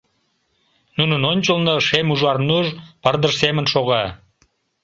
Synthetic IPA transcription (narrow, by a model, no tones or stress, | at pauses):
nunənonʲt͡ɕəlnəʃemuʒɑrnuʒpɑrd̪əʒsemənʃoɣɑ